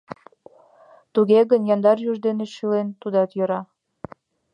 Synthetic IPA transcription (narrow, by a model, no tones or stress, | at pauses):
t̪uɣeɣənjɑnd̪ɑɾjuʒd̪eneʃylent̪ud̪ɑt̪jɤ̆ɾɑ